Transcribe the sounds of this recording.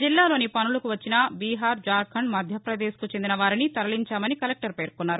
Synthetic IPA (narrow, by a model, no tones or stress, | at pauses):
d͡ʒilːaːlo̞ːnipɐnulɐkuʋɐt͡ʃːinɐbiːɦaːɾd͡ʒaːɾkʰɐɳmɐd̪ʱjɐpɾɐd̪eːskut͡ʃe̞nd̪inɐʋaːɾinit̪ɐɾɐliɲt͡ʃaːmɐnikɐlek̚ʈɐɾpe̞ːɾkunːaːɾu